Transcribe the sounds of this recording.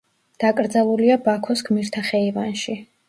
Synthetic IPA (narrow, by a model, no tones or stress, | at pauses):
d̪̥akʼɾd̪zalˠuliabakʰɔsɡmiɾt̪ʰaχɛivanʃi